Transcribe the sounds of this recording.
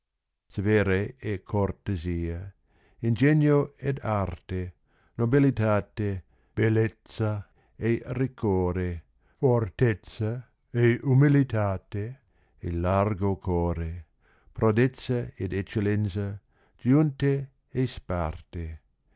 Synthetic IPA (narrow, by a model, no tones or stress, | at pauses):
seveɾeekʰoɾt̪eziːa | ind͡ʒeɲoed̪aɾt̪e | nobilit̪aːt̪e | b̥elet̪t͡sa | erikʰoːɾe | foɾt̪et͡sa | eumilit̪aːt̪e | elarɡokʰoːɾe | pɾod̪et͡saed̪et͡ʃːelensa | d͡ʒ̥junt̪e | espart̪e